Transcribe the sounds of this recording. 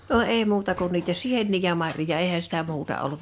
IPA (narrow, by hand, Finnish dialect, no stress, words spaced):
no eː muːtɑ kun niːtæ sienːiː jɑ mɑrjojɑ eːhæ sitæ muːtɑ olːut